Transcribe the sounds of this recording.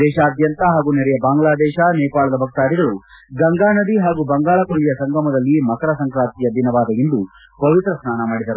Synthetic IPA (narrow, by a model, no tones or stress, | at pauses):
d̪ɛːʃaːd̪jɐnt̪ɐɦaːɡunɛɾɛjɐbaːŋɡɭaːd̪ɛːʃɐnɛːpaːɭɐd̪ɐbʱɐk̚t̪aːɽiɡɐɭu | ɡɐŋɡaːnɐd̪iɦaːɡubɐŋɡaːɭɐkuɭːijɐsɐŋɡɐmɐd̪ɐlːimɐkɐɾɐsɐŋkɾaːnt̪ijɐd̪ʱinɐʋaːd̪ɐjind̪u | pɐʋit̪ɾɐsnaːnɐmaːɽid̪ɐɾu